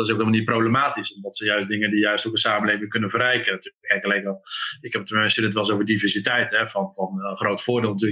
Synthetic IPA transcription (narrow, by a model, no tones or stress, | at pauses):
tɪs̬owkɦɪlmlˠnit̚prowbləmaːtisɔmdɑtsɛnjœɥs̚dɪŋəndijœɥstokəsaːmənlejvɪŋkɵnənvəɾɛjkənatyːəkɛjkəlɛjkaɪkɛpətəmmɛnsɪdətʋɛlˠs̬owvəɹdivɛɹsitɛjtɛvɑnvɑnəχrowtfʊːɹdɪːlˠnatyːl